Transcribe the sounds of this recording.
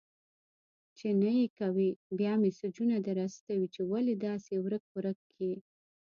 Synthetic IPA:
t͡ʃenajekawibjɑmesʊd͡ʒunad̪aɾast̪awit͡ʃewaled̪ɑsewɾək̚xʊɾəkʰː | i

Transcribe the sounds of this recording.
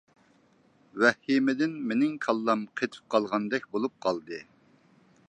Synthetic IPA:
wɛhimɪd̪ɪnmenɪŋkʰɑlˠːɑmqʰet̪ʰɪ̥p̚qʰɑlˠʁɑnd̪ɛkʲbolˠup̚qʰɑlˠd̪ɨ

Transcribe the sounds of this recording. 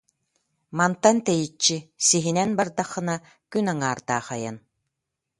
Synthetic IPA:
mant̪ant̪ɛjit͡ʃːisiɦinɛnbaɾd̪aχːɯ̆na | kynaŋaːɾd̪aːχaja̰n

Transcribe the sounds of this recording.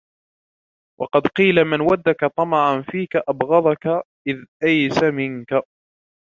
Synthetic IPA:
wʔɑ̰qɑd̪qiːlamɪnwad̪ːakat̪ˤɑmɑʕanfiːkaʔabɣɑðˤɑka | ʔɪðʔajsamɪŋka

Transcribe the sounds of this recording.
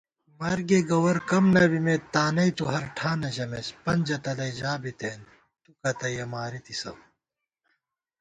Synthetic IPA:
mɐɾɡeɡɐwɐɾkɐmnɐbimet̪ːaːnɐit̪uɦɐɾʈʰaːnɐʑɐmespɐnd͡ʑɐt̪ɐlɐjd͡ʑaːbit̪eːn | t̪ukɐt̪ɐjɐmaːɾit̪isɐ̰w

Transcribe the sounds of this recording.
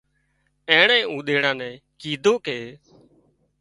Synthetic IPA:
ɛ̃ːɳɛ̃ːũːɗ̪eːɽãːnɛ̃ː | kiːd̪ʱoːkeː

